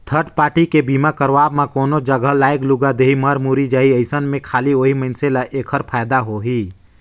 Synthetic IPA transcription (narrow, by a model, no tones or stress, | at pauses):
t̪ʰəɾʈpaːʈikebiːmakəɾʋaːbmãkɔːnod͡ʒəɡəlaːɪkluɡad̪eːɦiməɾmuɾid͡ʒaːiəɪsənmẽkʰaːlioɦiməɪnselaʔeːkʰəɾpʰaːjd̪aɦoɦiː